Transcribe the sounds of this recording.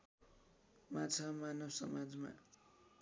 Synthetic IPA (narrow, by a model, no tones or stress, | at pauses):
mat͡sʰamanʌbsʌ̰mad͡zma̰